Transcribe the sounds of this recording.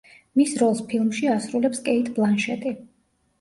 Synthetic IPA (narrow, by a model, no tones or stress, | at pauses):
misɾɔlˠspʰilˠmʃiasɾulɛpskʼɛit̪ʰʼblˠanʃɛt̪ʼi